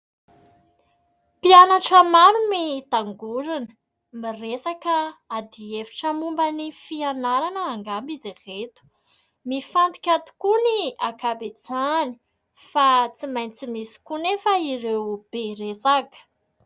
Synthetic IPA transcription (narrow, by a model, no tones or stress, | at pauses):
pianaʈ͡ʂəmaɾumit̪aŋɡuɾinə̥ | miresakəad̪iefi̥ʈ͡ʂəmumbənifianaɾanəːŋɡambiziret̪u̥ | mifant̪i̥kʲat̪u̥kuniakabed͡zani̥ | fat͡simajnt͡simisi̥kunefaiɾewb̥eɾesaɡə̥